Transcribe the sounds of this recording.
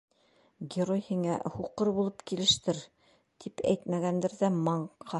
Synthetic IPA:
ɡʲɪɾojhiŋæhuqɤɾbulˠɤpkilɘ̆ʃt̪ɘɾ | t̪ʰipæ̰jt̪mæɡænd̪ɘɾðæmɑɴqɑ

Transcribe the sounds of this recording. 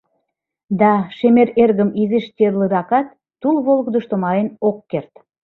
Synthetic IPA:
d̪ɑʃemeɾerɣəmizeʃt̪ʲerlɯɾɑkɑt̪̚ːulβolˠɣəd̪əʃt̪omɑɾenokːert̪

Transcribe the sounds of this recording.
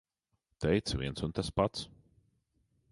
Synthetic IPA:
t̪ɛjt̪svʲḭɛnsunt̪aspat̪s

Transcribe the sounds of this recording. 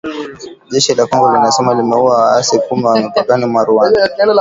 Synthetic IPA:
ʄɛʃilakwɔŋɡɔlinasɛmalimɛuwaaasikumiwamipakanimwaɾuwan

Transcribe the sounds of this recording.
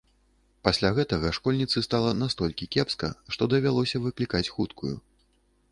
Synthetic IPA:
pasʲlʲaɣɛt̪ɐɣɐʂkɔlʲnʲit̪sɨst̪alˠɐnast̪ɔlʲkʲikʲɛpskɐ̰ʂt̪ɔd̪ɐvʲalˠɔsʲɐvɨklʲikat͡sʲxut̪kʰujṵ

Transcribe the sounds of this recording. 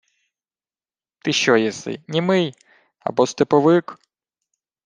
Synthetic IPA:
t̪ɪʃt͡ʃɔjɛsɪ̰jnʲimɪj | ɐ̰bɔst̪epɔʋɪk

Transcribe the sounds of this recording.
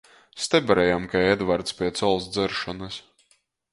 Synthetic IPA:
st̪ɛbʲɛɾɛjamkaɛd̪vaɾt̪spʲiɛt̪sɔlˠsd̪zɨɾʃɔnɨs

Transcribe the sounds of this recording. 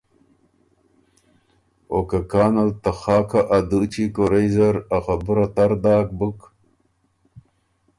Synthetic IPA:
okakaːnɐlt̪axɑːkʰaʔad̪ut͡ɕikoɾejzɐɾaxabuɾat̪ɐɾd̪aːk̚buk

